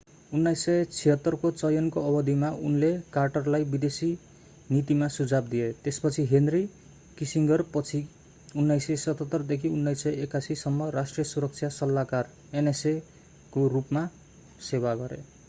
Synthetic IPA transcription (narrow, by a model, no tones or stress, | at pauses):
unːajsːʌjt͡sʰiɦʌt̪ːʌrkot͡sʌjʌnkoʌbʌd̪ʱimaunlekarʈʌrlajbid̪esi | nit̪imasud͡zab̚d̪iet̪espʌt͡sʰiɦenri | kisiŋɡʌrpʌt͡sʰi | unːajsʌsʌt̪ʌt̪ːʌrd̪ekʰiunːajsːʌjekasisʌmːʌrasʈrijʌsuɾʌk̚t͡sʰjasʌlːakar | enese | korupma | sewaɡʌɾḛ